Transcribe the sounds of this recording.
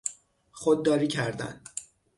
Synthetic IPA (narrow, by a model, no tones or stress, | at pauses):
χod̪ːɒːɾiːcʰæɾd̪æ̰n